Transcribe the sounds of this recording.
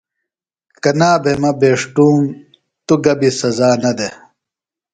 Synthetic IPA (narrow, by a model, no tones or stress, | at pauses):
kɐnaːbemɐbeːʂʈuːm | t̪uɡɐbisɐzaːnɐd̪e